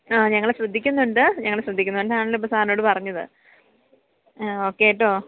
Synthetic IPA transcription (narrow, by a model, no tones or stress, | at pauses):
aːɲɐŋːɐɭeɕrɨd̪ʱːikʲːunːuɳɖɨɲɐŋːɐɭeɕrɐd̪ʱːikʲːunːuɳɖɨaːɳɐlːopːɐst̪aːno̞ːɽɨpɐrɐɲːɐðɨ̰ | oːkːeɐʈ̬ːo̞ː